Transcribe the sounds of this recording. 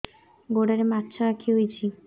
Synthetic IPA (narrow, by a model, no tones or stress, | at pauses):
ɡoɽaɾematːt͡ʃʰaɾakʰiɦojt͡ʃʰi